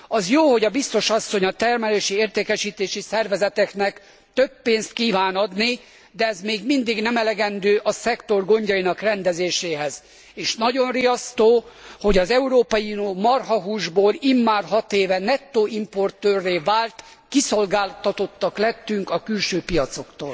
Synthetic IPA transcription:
ɒzjoːho̞ɟɒbist̪o̞ʃɒsːo̞ɲɒt̪ɛrmɛleːʃieːrt̪eːkɛʃiːt̪eːʃisɛrvɛzɛt̪ɛknɛk | t̪øbːeːnst̪kiːvaːnɒd̪ni | d̪ɛɛzmeːɡmind̪iɡnɛmɛlɛɡɛnd̪øːʔɒsɛkt̪o̞rɡo̞ɲɟɒjinɒkrɛnd̪ɛzeːʃeːɦɛz | eːʃnɒɟo̞nrijɒst̪oːho̞ɟɒzɛuɾoːpɒjiunoːmɒrɦɒɦuːʒboːlimːaːrɦɒt̪eːvɛnɛt̪ːoːimpo̞rt̪øːrːeːvaːlt̪ | kiso̞lɡaːlt̪ɒt̪o̞t̪ːɒklɛt̪ːyŋkɒkylʃøːpijɒt̪so̞kt̪o̰ːl

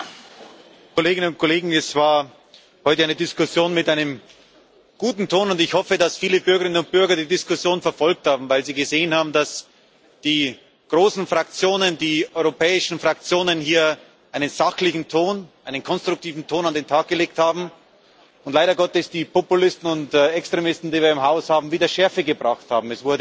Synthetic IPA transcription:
kʰoleːɡɪnənʊnt̚kʰoleːɡŋ̩ɛsv̥aːɐ | hɔʏtəʔaɪnədɪskʊsjoːnmɪtʔaɪnəm | ɡ̥uːtn̩tʰoːnʊndɪçhɔfədasfiːləbʏɐɡəʁɪnənʊnt̚b̥ʏɐɡɐdiːdɪskʊsjoːnfɛɐfɔlk̚thaːbm̩vaɪlziːɡəzeːənhaːbm̩das | d̥iː | ɡ̥ʁoːsn̩fʁ̥ak̚t͡sjoːnəndiːʔɔʏʁopʰɛːɪʃn̩fʁ̥ak̚t͡sjoːnənhiːɐ | ʔaɪnənzaxlɪçn̩tʰoːnʔaɪnənkʰɔnstʁ̥ʊk̚tʰiːvn̩tʰoːnandeːntʰaːk̚ɡ̥əleːk̚thaːbm̩ | ʊntlaɪɾɐɡɔtɛsd̥iːpopʊlɪstn̩ʊntɛkstʁ̥emɪstn̩diːviːɐɪmɦaʊshaːbm̩viːdɐʃɛɐfəɡəbʁaχtha̰ːbm̩ɛsv̥ʊɐdə

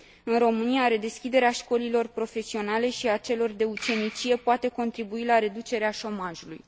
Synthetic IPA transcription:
ɨnro̞mɨniaɾe̞d̪e̞skʲid̪e̞ɾeaʃko̞lilo̞rpɾo̞fe̞sio̞nale̞ʃiat͡ʃe̞lo̞rd̪e̞ut͡ʃe̞nit͡ʃije̞poat̪e̞ko̞nt̪ɾibuilaɾe̞d̪ut͡ʃe̞ɾeaʃo̞maʒulṵj

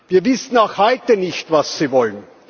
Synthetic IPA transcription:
viːɐvɪsn̩aʊxhɔʏtənɪçtvasːiːvɔlən

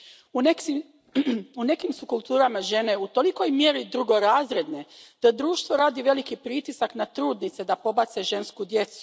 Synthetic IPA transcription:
u | une̞kimsukulˠt̪uːɾamaʒe̞ne̞ut̪o̞liko̞jmje̞ɾid̪ɾuɡo̞ɾaːzɾe̞d̪ne̞d̪̥ad̪ɾuːʃt̪ʋo̞ɾaːd̪iʋe̞likipɾit̪isaknat̪ɾuːd̪nit̪se̞d̪apo̞bat̪seʒe̞nskud̪je̞t̪su̥

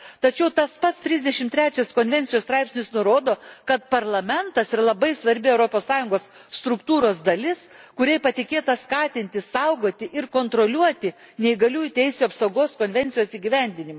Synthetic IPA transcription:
t̪ɐt͡ʃʲɛʊt̪ɐspɐt̪st̪ʲɾʲɪzd̪ʲɛʃʲɪmt̪ʲɾʲæːt͡ʃʲɛskoːnʲʋʲɛnʲtsʲɪjoːst̪ɾɑɪpʲsʲnʲɪsnʊɾoːd̪oːkɐt̪pɐɾlˠɐmʲɛnt̪ɐsɪɾlˠɐbɐɪsʋɐɾʲbʲɪɛʊɾoːpoːssɑːjʊŋɡoːsːt̪ɾʊkt̪uːɾoːsd̪ɐlʲɪs | kʊɾʲɛɪpɐt̪ʲɪkʲeːt̪ɐskɑːt̪ʲɪnʲt̪ʲɪsɐʊɡoːt̪ʲɪʔɪɾkoːnt̪ɾoːlʲuɔt̪ʲɪ | nʲɛɪɡɐlʲuːjʊt̪ʲɛɪsʲuːɐpsɐʊɡoːskoːnʲʋʲɛnʲt̪ʲɪjoːsiːɡʲiʋʲɛnʲd̪ʲɪnʲɪmɐ

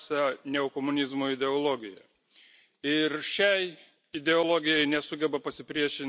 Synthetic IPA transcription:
sʲɛnʲɛokomʊnʲɪzmoːɪd̪ʲɛolˠoɡʲɪjɛ̰ | ɪɾʃʲɛɪ | ɪd̪ʲɛoːlˠoːɡʲɪjɛɪnʲɛsʊɡʲɛbɐpɐsʲɪpʲɾʲiɛʃʲɪn

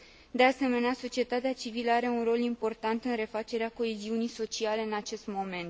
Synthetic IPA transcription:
d̪e̞ase̞me̞neaso̞t͡ʃie̞t̪at̪eat͡ʃiviləaɾe̞unro̞limpo̞rt̪ant̪ɨnɾe̞fat͡ʃe̞ɾeako̞eziunijso̞t͡ʃiale̞ɨnat͡ʃe̞st̪mo̞me̞nt̪

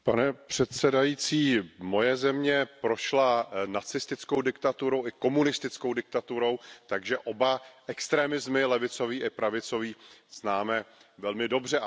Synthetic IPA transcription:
panɛpr̝̥ɛt̪sɛdajit͡siːmo̞jɛzɛmɲɛpɾo̞ʃlanat͡sɪst̪ɪt͡skowdɪkt̪at̪uɾo̞wɪko̞munɪst̪ɪt͡skowdɪk̚t̪at̪uɾo̞wt̪aɡʒɛʔo̞baʔɛkst̪ɾɛːmɪzmɪlɛvɪt͡so̞viːʔɪpɾavɪt͡so̞viːz̥naːmɛvɛlmɪdo̞br̝ɛ

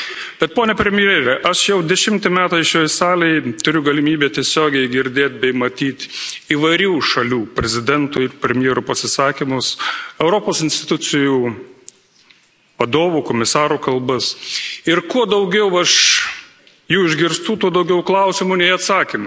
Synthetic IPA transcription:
b̥ʲɛt̪̚poːnʲɛpʲɾʲɛmʲɪjeːɾʲɛʔɐʃjɛʊd̪ʲɛʃʲɪmt̪ʲɪmʲæːt̪ɐɪʃoːjsɑːlʲɛɪt̪ʊɾʲʊɡɐlʲɪmʲiːbʲeːt̪ʲiɛsʲoːɡʲɛɪɡʲɪɾʲd̪ʲeːt̪̚ʲbʲɛɪmɐt̪ʲiːt̪ʲiːʋɐɪɾʲuːʃɐlʲuːpʲɾʲɛzʲɪd̪ʲɛnt̪uːɪɾpʲɾʲɛmʲjeɛɾupɐsʲɪsɑːkʲimʊsɛʊɾoːpoːsɪnʲsʲt̪ʲɪt̪ʊt͡s̪ʲɪjuː | ʋɐd̪oːʋuːkomʲɪsɑːɾuːkɐlˠbɐsɪɾkuɔd̪ɐʊɡʲɛʊɐʃ | juːɪʒʲɡʲɪɾst̪uːt̪uɔd̪ɐʊɡʲɛʊklˠɐʊsʲɪmʊnʲɛɪɐt̪sɑːkʲimɐ

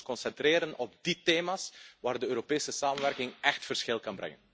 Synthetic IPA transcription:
kɔnsɛnt̪reːɾənɔb̚diteːmaːsʋaːrdəøːɾopeːsəsaːmənʋɛrkɪŋɛxtfərsxɪlˠkɑnbɾɛ̰ŋən

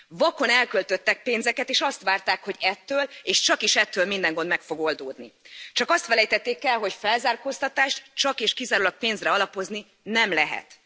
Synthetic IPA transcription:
vɒko̞nɛlkølt̪ø̞t̪ːɛk̚peːnzɛkɛt̪eːʃɒst̪ʋaːrt̪aːkho̞ɟɛt̪ːøːleːʃt͡ʃɒkiʃɛt̪ːøːlmind̪ɛŋɡo̞nd̪mɛkfo̞ɡo̞ld̪oːd̪nit͡ʃɒkɒst̪fɛlɛjt̪ɛt̪ːeːkɛlɦo̞cfɛlzaːrkoːst̪ɒt̪aːʃt̪t͡ʃɒkeːʃkizaːɾulɒk̚peːnzrɛɒlɒpo̞zni | nɛmlɛɦɛ̰t̪

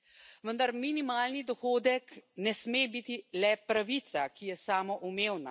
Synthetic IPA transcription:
ʋənd̪aɾminimaːlnid̪ɔxoːd̪ɛknɛsmeːbit̪ilɛpɾaʋit̪sakijɛsaːmɔʔumeːwna̰

